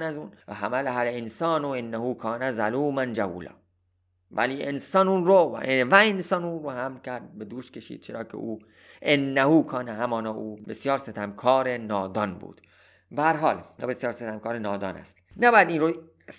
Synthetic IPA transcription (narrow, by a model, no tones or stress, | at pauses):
næzuːnvæɦæmælɦælensɒːnoenːæhuːkʰɒːnæzaluːmænd͡ʒæhṵːlɒ̰ː | væ̰liːʔensɒːnuːnɾovæensɒːnuːnɾoɦæmlkʲʰæɾd̪̚bed̪uːʃt̪kʲe̞ʃḭːd̪̥̚t͡ʃʰeɾɒːkʰḛʔuː | ʔenːæhuːkʰɒːnæɦæmɒːnɒːʔuːbesjɒːɾset̪ʰæmkʰɒːɾenɒːd̪ɒːnbṵːd̪̥ | bææɾɦɒːlbesjɒːɾset̪ʰæmkʰɒːɾenɒːd̪ɒ̰ːnæ̰st̪næbɒːjæd̪iːnɾo | s